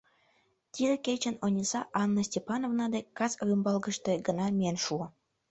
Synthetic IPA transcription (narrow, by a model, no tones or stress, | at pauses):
t̪ʲid̪ĕket͡ɕə̆nonʲisɑʔɑnːəsʲtʲepɑnovnɑd̪ekɑt͡srymbɑlɡə̆ʃt̪eɡənɑmʲienʃuə